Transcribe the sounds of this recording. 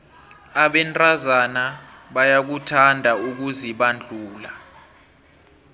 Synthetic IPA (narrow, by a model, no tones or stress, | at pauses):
aɓɛntʼazanaɓajak̬utʰandʱauk̬uziɓand͡ɮʱuːla